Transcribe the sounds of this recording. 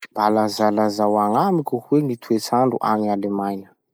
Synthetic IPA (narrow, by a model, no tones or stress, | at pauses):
b̥alazalazawaŋamikʲuhuweŋit̪ʰuet͡saɳɖ͡ʐuʔa̰nialemajnə̥